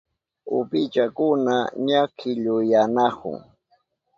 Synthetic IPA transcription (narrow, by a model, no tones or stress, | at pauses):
ʊ̰pɪt͡ʃakʊnaɲakʰɪʎʊjanakʊ̰ŋ